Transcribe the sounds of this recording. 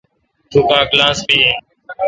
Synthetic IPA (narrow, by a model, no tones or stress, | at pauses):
t̪uːkãːklaːsbiːeː